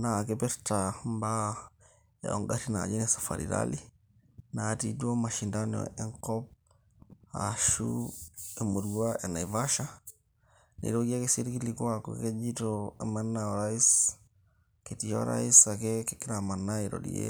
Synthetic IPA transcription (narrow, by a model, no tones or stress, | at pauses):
nakepɛɾtamba | ḛoŋɡatina̰d͡ʒinesḁfa̰ɾḭɾa̰li | natiduomaʃindano̰eŋkɔp̚ | a̰ʃuemuɾɡuaʔenajvaʃa | nḭɾoɡiekesiɾkilikuakṵked͡ʒitoemanːaoɾais | ketijo̰ɾa̰isakekekːiɾamanːaiɾo̰dḭjḛ